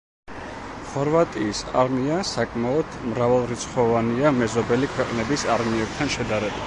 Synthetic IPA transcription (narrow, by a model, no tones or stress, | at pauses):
χɔɾvat̪ʼiːsa̰ɾmiasakʼmaɔd̪̥mɾavalˠɾit̪sʰχɔvaniamɛzɔbɛlikʰwɛqʼnɛbisaɾmiɛb̚t̪ʰanʃɛd̪aɾɛbi